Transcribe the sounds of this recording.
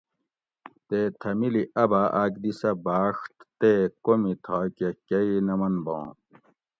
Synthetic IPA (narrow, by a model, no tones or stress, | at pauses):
t̪eːt̪ʰɐmiliʔɐbaːʔaːkd̪isɐbaːʂʈ̪t̪eːkomit̪ʰaːkekɐinɐmɐnbõ̰ː